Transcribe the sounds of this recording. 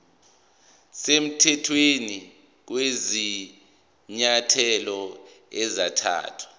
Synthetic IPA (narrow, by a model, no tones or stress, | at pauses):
sem̩tʰɛtʰweni | k̬wezi | ɲatʰɛlɔ | ɛzatʰa̰ːtʰwḁ